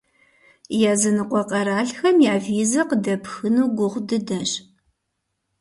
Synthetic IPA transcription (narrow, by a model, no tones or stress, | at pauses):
jaːzɨnɨqʷʼɔqʼɐɾaːɬxɐmjaːviːzɐqədɐpxɨnuːɡʷʊʁʷdɨdɐɕʼ